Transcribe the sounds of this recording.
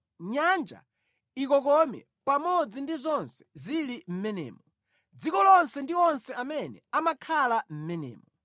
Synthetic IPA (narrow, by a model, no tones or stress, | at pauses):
ɲand͡ʒa̰ | ikɔk̬ɔmɛ̰ | pamɔd͡zindizɔnsɛ̥zilim̩mɛnɛ̰ːmɔ | d͡zikɔlɔnsɛndiɔnsɛamɛnɛ̰amakʰalam̩mɛnɛ̰ːmɔ